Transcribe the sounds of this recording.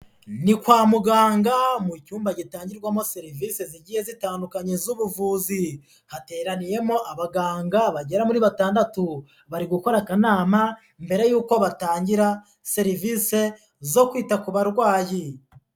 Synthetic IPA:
nikwaːmuɡaːŋɡamucuːmbaɟitaːɲɟiɾɡwamo̞se̞ɾiviːse̞ziɟiːhe̞zitaːndukaɲezuβuvuːzi | hate̞ːɾanije̞mo̞ʔaβaɡaːŋɡaβaɟe̞ɾamuɾiːβataːndatu | βaɾiɡuko̞ɾakanaːma | mbe̞ɾe̞juːko̞βataːɲɟiɾa | se̞ɾiviːse̞ | zo̞kwiːtakuβaɾɡwaːji

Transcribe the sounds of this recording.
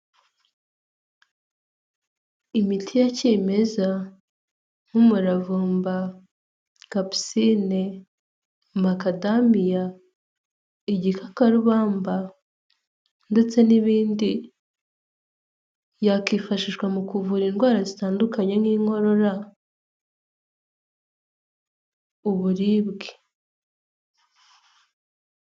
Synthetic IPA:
imitʰijaciːme̞za | ŋ̥umuɾavuːmba | kapi̥sine | makadamija | iɟikʰakaɾuβaːmba | nde̞t͡se̞niβiːndi | jakifaʃiʃɡwamukuvuɾiːnɡwaːɾazitaːndukaɲeŋiːŋho̞ɾo̞ɾa | uβuɾiːβɡe̥

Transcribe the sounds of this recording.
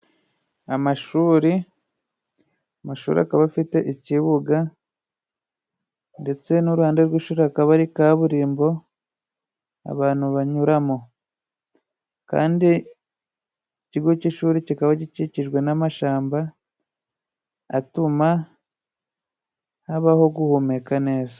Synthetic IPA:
amaʃuːɾi | amaʃṵːɾḭa̰kaβafite̞ʔiciβuɡa | nde̞t͡se̞nuɾuhaːnde̞ɾwiːʃuːɾeakaβaɾikaβuɾiːmbo̞ | a̰βaːn̥huβaɲuɾamo̞ | ka̰ːndi | iciɡociʃuːɾecikaβaciciciʒɡwe̞namaʃaːmba | tuma | haβaho̞ɡuhume̞kane̞ːza

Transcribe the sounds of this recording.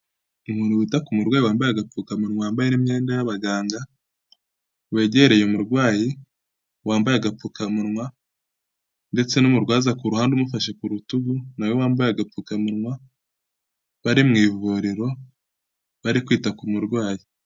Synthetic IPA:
umuːnuwiːtakumuɾɡwaːjiwaːmbajaɡap͡fukamuɾŋwajaːmbajenimɲe̞ːndajaβaɡaːŋɡa | we̞ɟeɾejomuɾɡwaːji | waːmbajaɡap͡fukamuɾŋwa | nde̞t͡se̞numuɾɡwaːzakuɾuhaːndumufaʃe̞kuɾutuɡunawewaːmbajaɡap͡fuːkamuɾŋwa | βaɾimŋiːvuɾeɾo̞ | βaɾikwiːtakumuɾɡwaːji

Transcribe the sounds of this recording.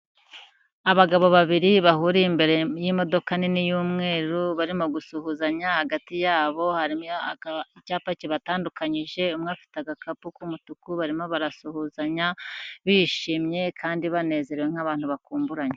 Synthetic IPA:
aβaɡaβo̞βaβiɾiβahuːɾimbe̞ɾe̞jimo̞do̞kaninijuːmŋe̞ːɾuβaɾimoɡusuhuzaɲahaɡatijaːβo̞haɾi | icaːpaciβataːndukaɲiʒe̞umŋaːfi̥taɡakapukumutukuβaɾimo̞βaɾasuhuzaɲaβiʃiːmɲe̞kʰaːndiβane̞ːze̞ɾeweŋ̥haβaːnhuβakuːmbuɾaɲe

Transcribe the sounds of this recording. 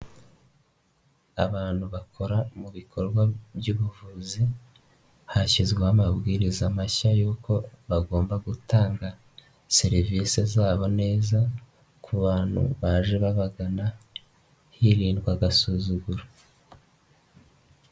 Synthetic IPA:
a̰βaːn̥huβakʰo̞ɾamuβikʰo̞ɾɡwabjuːβuvuzi | haçizɡweamabɡiːɾizamaçajuːkʰo̞βaɡo̞ːmbaɡutaːŋɡa | seɾiviːsezaːβo̞ne̞ːza | kʰuβaːn̥hṵβaːʒe̞βaβaɡana | hiɾiːndɡwaɡasuzuɡuɾa

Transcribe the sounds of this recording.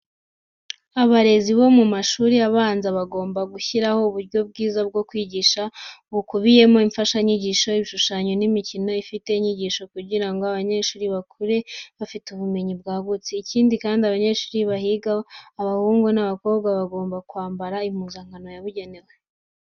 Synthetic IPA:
aβaɾe̞ziβo̞mumaʃuːɾiaβaːnzaβaɡo̞ːmbaɡuçiɾaho̞uβuɾjɟo̞b̚ɡiːzab̚ɡo̞kwiːɟiʃaβukuβije̞mo̞iɱfaʃaiɲiɟiʃo̞iβiʃuʃaːɲonimicino̞ifite̞iɲiɟiʃo̞kuɟiɾaŋɡo̞aβaɲe̞ʃuːɾiβakʰuɾe̞βafituβume̞ɲib̚ɡaːɡut͡siːciːndikaːndiaβaɲe̞ʃuːɾiβahiɡaːβahuːŋɡonaβako̞ːbɡaβaɡo̞ːmbakuaːmbaɾaim̥huːzaŋ̥ɡano̞jaβuɟe̞ne̞we

